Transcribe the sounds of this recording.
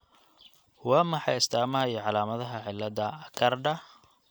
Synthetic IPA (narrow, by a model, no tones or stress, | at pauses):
wɑːmɐħɑjɪst̪ʰaːmɐɦɐiːʕɑlaːmɐðɐɦɐʕɪlːɐðɐɐkʰɐrdɐ